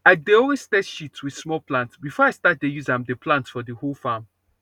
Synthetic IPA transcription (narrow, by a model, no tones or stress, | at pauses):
adeɔlˠwez̥stɛtʃitswið̥smɔlpʰlãntsbifɔaɪstat̚dejuzãmdəpʰlãntfɔdəholˠfam